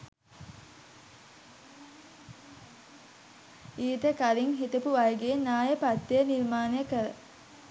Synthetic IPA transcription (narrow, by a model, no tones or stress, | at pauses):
iːt̪əkaliŋɦit̪upuʋajɡeːnaːjəpat̪ːejəniɾmaːnejəkəɾə̰